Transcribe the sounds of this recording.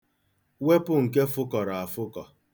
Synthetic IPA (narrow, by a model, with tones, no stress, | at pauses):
we˦pʊ˦ŋ̩˨ke˦fʊ˦kɔ˨ɾa˨a˨fʊ˦kɔ˨